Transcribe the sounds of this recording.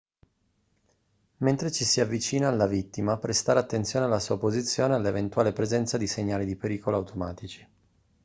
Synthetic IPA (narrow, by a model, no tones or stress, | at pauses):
ment̪ɾet͡ʃisiavːit͡ʃiːnaːlːavit̪ːimapɾest̪aːɾeat̪ːent̪sjoːnealːasuapozit̪sːjoːnealːevent̪waːlepɾezɛnt̪sad̪iseɲːaːlid̪ipeɾiːkoloawt̪ʰomaːt̪it͡ʃi̥